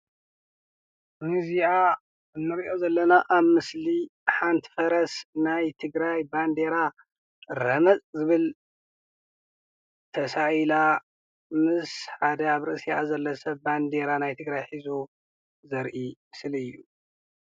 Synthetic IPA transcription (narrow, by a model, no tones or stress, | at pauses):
mɨziʔa | ɨnːɨɾiʔo̞zɐlːɐnaʔaβmɨsliħant̪ʰfɐɾɐsnajt̪ʰɨɡɾajband̪e̞ɾa | ɾɐmɐt͡sʼzɨβɨl | t̪ʰɐsaila | mɨsħad̪ɐaβɾɨʔɨsiʔazɐlːɐsɐβband̪eɾanajt̪ʰɨɡɾajħizu | zɐɾʔimsɨlɨjːu